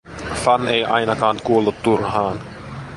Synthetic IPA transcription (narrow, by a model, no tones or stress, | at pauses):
fɑnejʔɑjnɑkɑːnkuolːut̪ːurhɑːn